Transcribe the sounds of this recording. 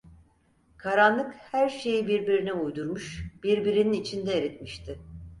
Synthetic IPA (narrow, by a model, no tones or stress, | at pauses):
kʰaɾanlˠɯkhæɾʃe̞jibiɾbiɾiniujd̪uɾmuʃb̥iɾbiɾininit͡ʃʰind̪ɛeɾit̪miʃt̪ʰɪ